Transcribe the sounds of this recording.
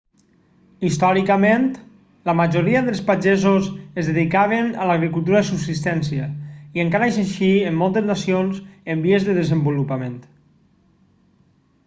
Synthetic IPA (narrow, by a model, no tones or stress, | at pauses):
ist̪ɔɾikəment̪ | ləmaʒoɾiəðəlˠspaʒezozezðeðikaβenalaɣɾikulˠt̪̬uɾaðesubsist̪ɛnsiəiəŋkaɾazenʃiemːɔlˠt̪eznasionzəmbiezðəðəzəmbulupament̪